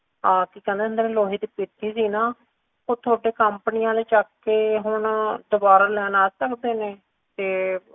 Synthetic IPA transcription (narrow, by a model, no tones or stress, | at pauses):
ãːkiːkɛ̃ːnd̪eːnd̪eːnẽːloːɦiːd̪pɪt̪ʰːiːsiːnaː | oːt̪ʰʊaːɖeːkəmpnijãːleːt͡ʃaːkːeːɦʊɳd̪ʊbaːɾaːlɛːnaːsəkd̪eːneː | t̪eː